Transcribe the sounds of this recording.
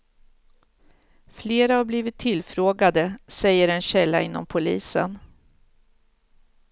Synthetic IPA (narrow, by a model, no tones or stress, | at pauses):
fleːɾahaɾbliːvɪt̪ʰːɪlfɾoːɡad̪əsɛjːəɾɛnɕɛlːa̰ɪnːɔ̰mpʰʊliːsə̰n